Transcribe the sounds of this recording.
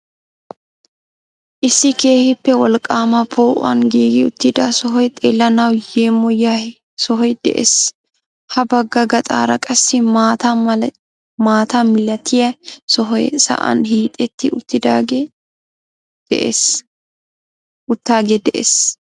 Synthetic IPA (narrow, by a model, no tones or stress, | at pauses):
ʔɪsːɪke̞ːhɪpːɛwɔlkʼːaːmɐpʰoːʔʊɐ̰nɡiːɡɪʊt̪ːɪd̪ɐsɔɦɔjt̪ʼeːlːɐnɐwjeːmːɔja | sɔɦɔjd̪̥ɛ̰ʔḛːs | hɐbɐɡːɐɡɐt̪ʼa̰ːɾɐkʼɐsːɪmat̪ɐ | maːt̪ɐmɪlɐt̪ʰɪjɐsɔɦɔjsɐ̰ʔɐ̰nɦiːt̪ʼɛt̪ʰːɪʊt̪ːɪd̪a | d̪̥ɛ̰ʔḛs | ʊt̪ːaːɡɛd̪ɛʔḛːs